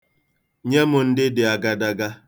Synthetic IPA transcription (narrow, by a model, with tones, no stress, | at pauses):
ɲe˦mʊ˨n̩˦dɪ˦dɪ˨a˨ɡa˨da˨ɡa˦